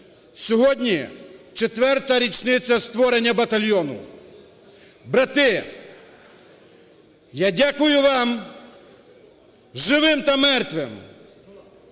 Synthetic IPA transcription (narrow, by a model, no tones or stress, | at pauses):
sʲɔɦɔdʲnʲit͡ʃet̪ʋɛrt̪ɐɾʲit͡ʃnɪt͡sʲɐst̪ʋɔɾenʲːɐbɐt̪ɐlʲjɔnʊ̰ | bɾɐt̪ɪ | jadʲakʊjʊʋɑm | ʒɪʋɪmt̪ɐmɛrt̪ʋɪ̰m